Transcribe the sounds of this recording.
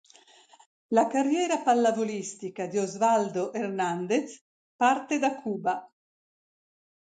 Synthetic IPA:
lakarːjɛːɾapalːavolist̪ikad̪iozvald̪oʔernand̪et̪s | part̪ed̪akʰːuːba

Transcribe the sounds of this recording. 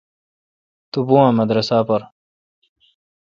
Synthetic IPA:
t̪ubuːãmɐd̪ɾɐsaːpɐɾ

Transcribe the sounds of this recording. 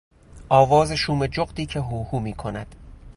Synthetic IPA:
ʔɒːvɒːzeʃuːmed͡ʒoɢd̪iːcʰe̞ɦuːhuːmiːkʰonæd̪̥

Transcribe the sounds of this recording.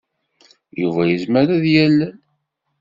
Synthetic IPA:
juvæjəzməɾæðjælːæn

